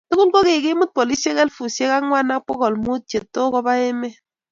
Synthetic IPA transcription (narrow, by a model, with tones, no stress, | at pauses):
tu˦ɣu˦lbo˦ɣe˨ɡe˦mu˦t̚pɔ˨li˦ʃe˦ɣɛ˦lfu˨sje˦ɣa˦ŋwa˦na˦k͡pɔ˦ɣɔ˨lmu˦t͡ʃe˨tːo˦ɣɔ˦ba˦e˦me˦